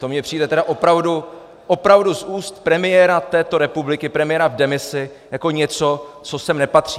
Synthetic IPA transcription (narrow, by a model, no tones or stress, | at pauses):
t̪omɲɛpr̥iːdɛt̪ɛdaʔo̞pɾavdu | ʔopɾavduzʔuːst̪̚pɾɛmɪjɛɾat̪ɛːt̪o̞ɾɛpublɪkɪpɾɛmɪjɛɾavdɛmɪsɪ | jako̞ɲɛt͡sot͡so̞sɛmnɛpat̪r̝̥i